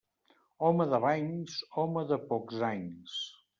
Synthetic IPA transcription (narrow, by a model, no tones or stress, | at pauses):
ɔməðəβaɲsɔməðəpɔkzaɲs